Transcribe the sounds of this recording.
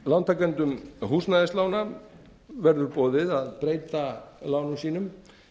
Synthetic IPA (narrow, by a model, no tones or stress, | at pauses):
lawnt̪ʰakɛnt̪ʏmɦuːsnaðɛslaːwna | vɛɾðʏɾpɔːðɪðaðpɾeːjt̪alaːwnʏmsiːnʏm